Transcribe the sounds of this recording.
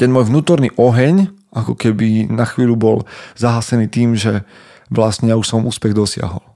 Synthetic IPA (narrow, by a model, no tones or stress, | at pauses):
t̪ɛnmɔːjʋnuːt̪ɔɾniːʔɔɦɛɲʔakɔkɛbinaxʋiːʎubɔlzaɦaːsɛniːt̪iːmʒɛ | ʋlasɲɛauʃsɔmuːspɛɣd̪ɔsɪa̰ɦɔ̰l